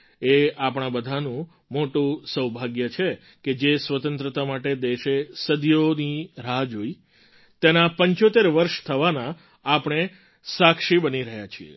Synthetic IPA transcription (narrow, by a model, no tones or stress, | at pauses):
eapɳ̃ãbəd̪ʱanũ | moʈũsəwbʱaɡjət͡ʃʰe | ked͡ʒesʋət̪ə̃nt̪ɾət̪amaʈed̪eʃesəd̪joniɾad͡ʒoi | t̪enapəɲt͡ʃot̪eɾʋəɾʃt̪ʰəʋanãː | pɳ̃e | sakʃibəniɾəɦjat͡ʃʰiḛ